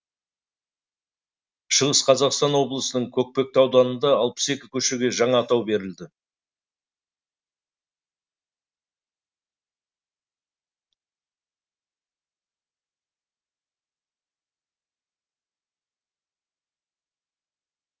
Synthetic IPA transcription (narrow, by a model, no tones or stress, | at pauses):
ʃəʁəsqʰɑzɑqst̪ɑnwo̞blˠəsənəɴkʲʰɵk̚pe̞k̚t̪ɑwd̪ɑnənd̪ɑɑlˠpə̥se̞kʲɪkʲʰɵʃe̞ɡʲe̞ʒɑɴɑːt̪ɑwbe̞ɾɪld̪ɪ